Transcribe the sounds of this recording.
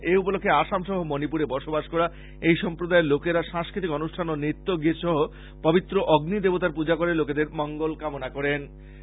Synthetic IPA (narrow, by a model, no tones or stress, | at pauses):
eup̬olokʰːeaʃamʃɔɦomonipuɾebɔɾʃobaʃkɔɾa | ejʃɔmpɾod̪aelokeɾaʃãŋskɾit̪̬ikɔnuʃʈʰanonit̪ːoɡiɾʃɔɦo | pɔbit̪ːɾoʔɔɡnid̪ebot̪aɾpud͡ʑakoɾeloked̪eɾmɔŋɡolkamonakɔɾen